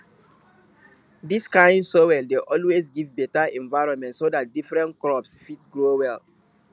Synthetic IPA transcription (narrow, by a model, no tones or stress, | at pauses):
diskãɪ̃ndsowɛldeʔɔlwezɡivbɛtaɛ̃nvaɪɹɔ̃nmɛ̃ntsodat̚difɹɛ̃ntklɔpsfitɡɹowɛl